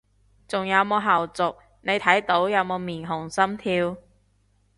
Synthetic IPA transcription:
t͡sʊ˨ŋjɐ˨˧wmoː˨˧wɦɐː˨˩wt͡sʊ˨k̚ | ne˨˧jt̪ʰɐ˨˥jt̪o˨˥wjɐ˨˧wmoː˨˧wmiː˨˩nɦʊ˨˩ŋsɐ˥mt̪ʰiː˧w

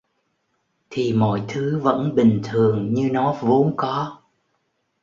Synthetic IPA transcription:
t̪ʰi˨˩mɔ̰˧˨jt̪ʰɨ˨˦və̰˧˥nɓï˨˩ŋ̟t̪ʰɨ˨˩əŋɲɨ˧nɔ˨˦vo˨˦nkɔ˨˦

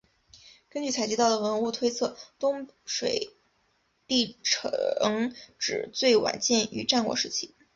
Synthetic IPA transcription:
kə˥nt͡ɕy˥˩t͡sʰa˧˥ɪt͡ɕi˧˥ɑ˥˩ʊd̪ə˩wə˧˥nu˥˧t̪ʰwe˥ɪt͡sʰɤ˥˩t̪ʊ˥ŋ | ʂwe˨˩ɪ | t̪i˥˩ʈ͡ʂʰɤ˧˥ŋʈ͡ʂɻ̩˨˩t͡swe˥˩ɪwa̰˨˩˦nt͡ɕjɛ˥˩ny̰˧˥ʈ͡ʂa˥˧nkwɔ̰˥ʂɻ̩˥˩t͡ɕʰḭ˧˥˩

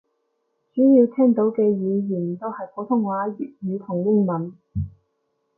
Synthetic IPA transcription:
t͡ʃyː˨˥jiː˧wt̪ʰɛː˥ŋt̪o˨˥wkɛː˧jiː˨˧jiː˨˩n˨t̪o˥whɐ˨jkɔ˨˥t̪ʰʊ˥ŋwaː˨˥ji˨p̚jyː˨˧t̪ʰʊ˨˩ŋjɪ˥ŋmɐ˨n

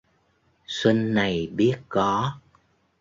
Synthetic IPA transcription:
swi˧nːa˨˩jɓi˦˥ət̚kɔ˨˦

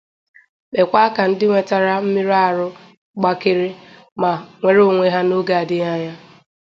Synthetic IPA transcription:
k͡pe˨kʷa˦ka˨n̩˦dɪ˦ŋʷe˨ta˨ɾa˦m̩˦mi˦ɾa˦˨ɾʊ˦ | ɡ͡ba˦kɪ˦ɾɪ˦ | ma˨ŋʷe˨ɾo˦˨ŋʷe˦ɦa˦no˦ɡa˦˨a˨dɪ˦ɲa˦ɲa˦

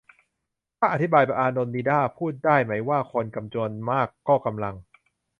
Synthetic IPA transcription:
t̪ʰaː˥˩ʔa˨˩t̪ʰi˦˥baː˧jpa˧˩ʔaː˧no˧nːiː˧daː˥˩pʰuː˥˩t̪̚daː˥˩jma˦˥jwaː˥˩kʰo˧nka˧mt͡ɕo˧ənmaː˥˩kːɔː˥˩ka˧mla˧ŋ

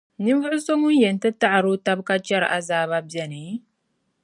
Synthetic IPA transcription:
ni˦m˦vʊ˦ʔʊ˦so˦ŋʊ˦n̩˦jɛ˨n˨tɨ˦ta˦ʔa˨ɾo˦ta˦bka˦t͡ʃɛ˦ɾʔa˦zaː˦βa˦bɛ˦nɨ˨˦

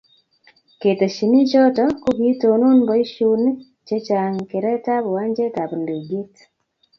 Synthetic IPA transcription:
ke˨te˨ʃi˨ni˦t͡ʃɔ˦tɔ˦ko˦ɡi˦to˨no˦nbɔ˨˦i˦ʃu˦n˦ | t͡ʃe˦t͡ʃa˨ŋke˨ɾɛ˦ta˦βɔ˨wa˦ɲd͡ʒe˦ta˨bu˨ndi˨ɡi˦t

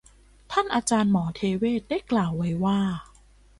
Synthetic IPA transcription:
t̪ʰa˥˩nʔaː˧t͡ɕaː˧nmɔː˩˦t̪ʰeː˧weː˥˩t̪̚da˥˩jklaː˨˩wːa˦˥jwaː˥˩

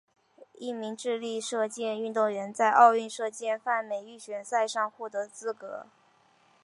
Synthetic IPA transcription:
i˥˩mi˧˥ŋʈ͡ʂɻ̩˥˧li˥˧ʂɤ˥˧t͡ɕjɛ˥˧ny˥˧nt̪ʊ˥˩ŋɥɛ˧˥nt͡sa˥˧ɪʔɑ˥˧ʊy˥˧nʂɤ˥˧t͡ɕjɛ˥˧nfa˥˩nme˨˩ɪy˥˩ɕɥɛ˨˩nsa˥˧ɪʂɑ˥˧ŋxwɔ˥˩t̪ɤ˧˥t͡sɹ̩˥kɤ̰˧˥

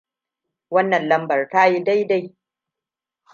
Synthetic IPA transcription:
wɐ˦nːɐ˨nlɐ˦mbɐ˨rta˦ji˦da˦jda˦j

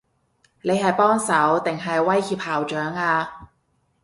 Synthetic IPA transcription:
ne˨˧jɦɐ˨jpɔː˥ŋsɐ˨˥wt̪ɪ˨ŋɦɐ˨jwɐ˥jhiː˧p̚haː˨˩wt͡ʃœː˨˥ŋaː˧

